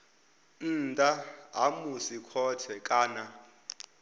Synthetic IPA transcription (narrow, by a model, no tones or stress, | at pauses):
n̩tʼaa̰musikʰɔtʰɛkʼaːna